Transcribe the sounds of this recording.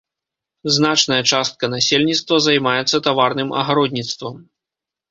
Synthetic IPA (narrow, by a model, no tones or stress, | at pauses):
znat͡ʂnɐjɐt͡ʂast̪̚kɐnasʲelʲnʲit̪st̪vɐzajmajɛt̪sːɐt̪avarnɨmɐ̰ɣaɾɔd̪ʲnʲit̪st̪vɐm